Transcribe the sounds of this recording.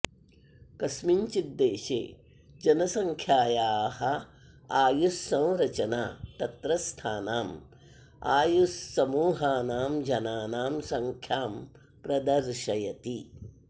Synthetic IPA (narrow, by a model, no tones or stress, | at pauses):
kɐsmiɲt͡ʃid̪ːeːʃḛː | d͡ʒɐnɐsɐŋkʰjaːjaːhɐ | aːjusːɐ̃w̃ɾɐt͡ʃɐnaːt̪ɐt̪ɾɐst̪ʰaːnaːm | aːjusːɐmuːɦaːnaːmd͡ʒɐnaːnaːmsɐŋkʰjaːm | pɾɐd̪ɐɾʃɐjɐt̪i